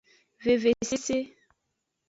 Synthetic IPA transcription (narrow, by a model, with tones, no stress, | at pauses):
ve˨ve˨se˦se˦